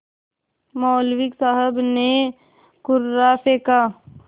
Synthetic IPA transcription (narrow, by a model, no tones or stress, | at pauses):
mɔːlwɪksəɦəbne | kʊɾːapeːka